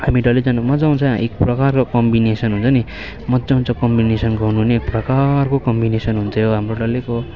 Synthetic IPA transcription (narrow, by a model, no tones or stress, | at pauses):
hamiɖʌled͡zʌnmʌd͡zaũnt͡sʰʌ̃ḛk̚prʌkarkokʌmbinesʌnɦunt͡sʰʌni | mʌd͡zaɦũnt͡sʰʌ̃kʌmbinesʌnkoɦunuɦneːk̚prʌkarkokʌmbinesʌnɦunt͡sʰʌjoɦamroɖʌleko